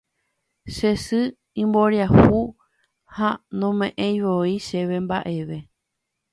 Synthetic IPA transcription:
ʃesɨ | ĩmboɾjahu | hanõmẽʔẽjʋoiʃeʋe̞mbaʔe̞ʋe̞

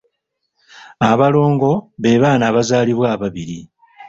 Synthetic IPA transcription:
aβalo̞ːŋɡo̞βe̞ːβaːnaːβazaːliβwaːβaβiɾi

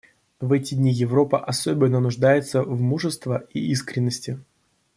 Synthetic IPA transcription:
vɛtʲɪdʲnʲijɪvɾo̞pəʔɐsobʲɪnːənʊʐd̪ajɪt̪səvmuʐɨst̪vəiiskɾʲɪnːəsʲtʲɪ

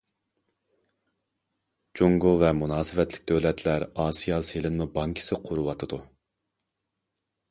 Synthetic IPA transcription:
d͡ʒuŋɡuvɛmunɑːsɨvɛt̪lɪkʲd̪øwlɛt̪ʰlæɾɑːsijɑːselɪnmubɑŋkʲʰi̥sɪqʰʊɾuwɑt̪ʰɨd̪u

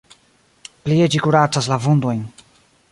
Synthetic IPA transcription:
plied͡ʒikuɾat͡saslavund̪ojn

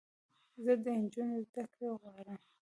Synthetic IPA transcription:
zəd̪ənd͡ʒunozd̪akɾeɣwɑɾəm

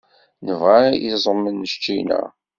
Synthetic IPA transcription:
nəvʁæjizˤəmːənːəʃt͡ʃːinæ̰

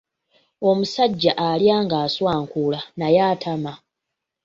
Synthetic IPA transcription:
o̞musaɟːaʔaljaːŋɡaːswaːŋkulanajaːtʰama

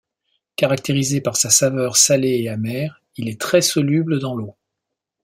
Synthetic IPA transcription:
kaʁakt̪eʁizepaʁsasavœʁsaleeamɛːʁ | ilɛt̪χɛsɔlybləd̪ɑ̃lo

